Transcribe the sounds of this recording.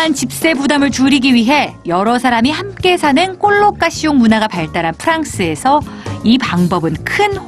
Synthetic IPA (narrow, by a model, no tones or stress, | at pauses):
ant͡ɕip̚s͈e̞budamɯɭt͡ɕuɾiɡiɥiɦe̞jʌɾʌsʰaɾamihamk͈e̞sʰanɯnk͈oɭːok͈aɕʰijoŋmunaɡapaɭt͈aɾanpʰɯɾaŋs͈ɯe̞sʰʌ | ipaŋbʌbɯnkʰɯn